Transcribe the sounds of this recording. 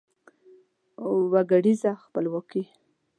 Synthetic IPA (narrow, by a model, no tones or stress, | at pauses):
waɡaɽizaxpəlwɔki